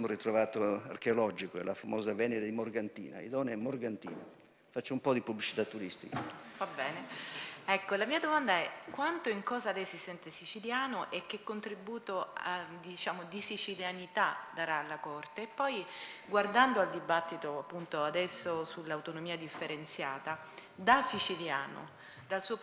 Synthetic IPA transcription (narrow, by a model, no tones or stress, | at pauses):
moɾit̪ɾovaːt̪oa̰rkeolɔd͡ʒikoɛ̰lafamɔːzavɛneɾed̪imorɡant̪ḭːna̰ḭd̪ɔneɛmːorɡant̪ḭːna̰ | fat͡ʃːoumpɔd̪ipubːlit͡ʃi̥t̪at̪ːuɾist̪ikavabɛːneɛkːolamiːad̪omand̪aɛkwant̪oiŋkɔːzalɛjsisɛnt̪esit͡ʃiljaːnoʔek̟ːekːont̪ɾibuːt̪oad̪it͡ʃaːmod̪isit͡ʃiljanit̪ad̪aɾalːakort̪eːpːɔjɡward̪and̪oald̪ibat̪ːit̪oapːunt̪oad̪ɛsːosulːawt̪onomiːad̪ifːeɾent̪sjaːt̪a | d̪asit͡ʃilja̰ːno̰ | d̪alsuːo